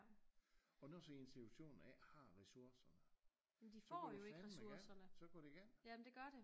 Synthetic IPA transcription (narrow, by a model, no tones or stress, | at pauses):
ɒ̽nosɒent͡sʰiuɕo̝̰ːnn̩ɛhɑ̈ʁɛsuɐsɐnə | jemd̥ifɒ̰ːjoe̝ɡ̥ʁɛssmuɐsɐnəsɒ̽ɡ̥ɒɾ̥eiɡ̥enjæmnd̥e̝ɡ̥ɶɐɾ̥e